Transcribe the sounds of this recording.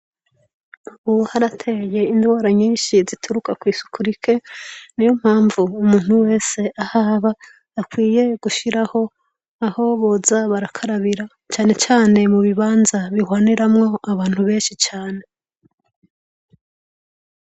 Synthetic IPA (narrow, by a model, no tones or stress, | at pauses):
uβuhaɾatʰe̞je̞indwaːɾaɲiːnʃizitʰuɾukakwiːsu̥kuɾikʰe̞nijo̞m̥haːɱvuːmuːn̥huwe̞ːse̞ʔahaβaː | kwiːje̞ɡ̥uʃiɾaho̞ | aho̞βo̞ːzaβaɾakʰaɾaβiɾa | t͡ʃaːne̞t͡ʃaːne̞muβiβaːnzaβihwaːniɾamŋo̞aβaːn̥huβe̞ːnʃit͡ʃaːne̞